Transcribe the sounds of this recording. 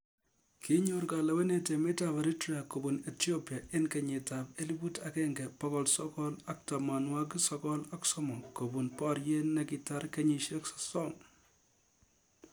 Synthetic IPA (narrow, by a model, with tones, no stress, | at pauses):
ki˦ɲuɾkala˨we˦ne˨te˨me˦taba˨ɾi˦tɾia˨ko˨bunetjopja˨ʔe˦nkeɲi˨tape˦li˦bu˦takɛ˦ŋɡɛpɔkɔlsɔkɔla˨k̚tamanwa˦k̬isɔkɔ˦la˦ksɔmɔ˨ŋko˨bu˨npɔɾje˦nːeki˨ta˦rkeɲiʃe˦ksɔ̥sɔŋ